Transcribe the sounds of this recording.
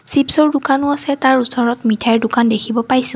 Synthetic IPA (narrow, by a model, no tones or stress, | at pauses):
sipsɔɹdʊkanʊasɛtaɹusɔɹɔtmitʰajɛɹdʊkandekʰibɔpajsʊ̃